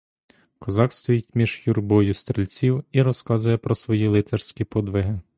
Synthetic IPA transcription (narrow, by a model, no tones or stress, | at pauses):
kɔzɑkst̪ɔjitʲmʲiʒ̥jurbɔjʊst̪ɾelʲt͡sʲiwiɾɔskɑzʊjɛpɾɔsʋɔjilˠɪt̪ɛrsʲkʲipɔd̪ʋɪɦɪ